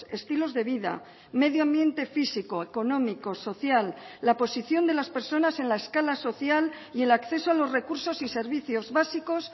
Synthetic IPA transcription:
e̞st̪ilo̞zðe̞β̞iða̰ | me̞ð̞joambje̞nt̪e̞fisiko̞eko̞nõ̞miko̞so̞θjalːapo̞siθjo̞nd̪e̞laspe̞ɾso̞nase̞nlaeskalaso̞θjal | ie̞lakθe̞soalo̞zre̞kuɾso̞sise̞ɾβiθjo̞zβasiko̞s

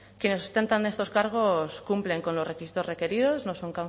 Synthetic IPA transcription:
kjenesost̪e̞nt̪and̪e̞st̪o̞skaɾɣ̞o̞skumple̞ŋko̞nlore̞kisit̪o̞re̞ke̞ɾiðo̞zno̞so̞ŋka

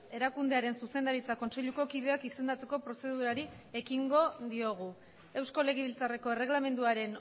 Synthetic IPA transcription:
e̞ɾakund̪e̞aɾe̞nsuse̞nd̪aɾit͡sako̞nse̞ʎuko̞kiðe̞akise̞nd̪at͡se̞ko̞pɾo̞se̞ðuɾaɾi | e̞kiŋɡo̞ðio̞ɣ̞u | e̞wsko̞le̞ɣeβilt͡sare̞ko̞e̞re̞ɣlame̞nd̪uaɾe̞n

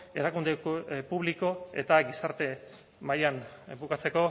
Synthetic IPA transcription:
e̞̰ɾakund̪epuβliko̞e̞̰t̪aɡisaɾt̪e̞ | majanbukat͡se̞ko̞

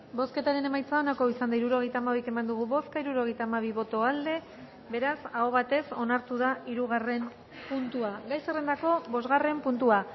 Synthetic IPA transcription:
bo̞ske̞t̪aɾe̞ne̞majt͡sao̞nako̞isand̪aiɾuɾo̞ɣ̞e̞jt̪aːmaβike̞mand̪uɣ̞uβo̞skaiɾuɾo̞ɣe̞jt̪aːmaβ̞iβo̞t̪o̞ald̪e̞ | be̞ɾasaoβ̞at̪e̞so̞naɾt̪uð̞aiɾuɣ̞are̞m | punt̪uaɡajsere̞nd̪ako̞bo̞zɣare̞mpunt̪ua

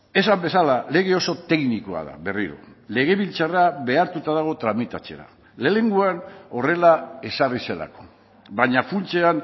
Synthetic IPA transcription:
e̞sambe̞salale̞ɣ̞e̞o̞so̞t̪e̞knikoa̰ða̰βe̞riɾo̰le̞ɣe̞βilt͡saraβe̞aɾt̪ut̪aðaɣ̞o̞t̪ɾamit̪at͡se̞̰ɾa̰ | le̞le̞ŋɡuano̞re̞lae̞sarise̞la̰ko̞̥ | baɲafunt͡se̞an

